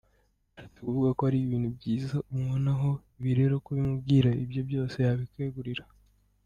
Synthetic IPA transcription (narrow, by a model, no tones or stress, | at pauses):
ɾate̥kuvuɡakohaɾiβiːn̥hubɟiːzaumŋonaɦo̞iβiɾe̞ɾo̞kuβimubɡiːɾaibjo̞bjo̞ːse̞jaβikwe̞ːɡuɾiɾa